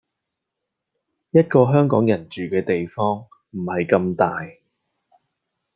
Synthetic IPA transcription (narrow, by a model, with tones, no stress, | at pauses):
jɐ˥t̚kɔː˧ɦœː˥ŋkɔ̰ː˨˥ŋjɐ˨˩nt͡ʃyː˨kɛː˧t̪e˨jfɔː˥ŋ | m̩˨˩hɐ˨jkɐ˧mt̪aː˨j